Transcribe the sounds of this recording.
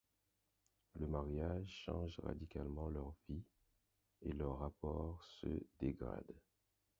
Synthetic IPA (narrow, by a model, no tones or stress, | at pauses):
ləmaʁjaʒʃɑ̰̃ʒʁa̰d̪ikalmɑ̃lœʁvi | elœʁːapɔʁsə̰d̪eɡʁa̰d̪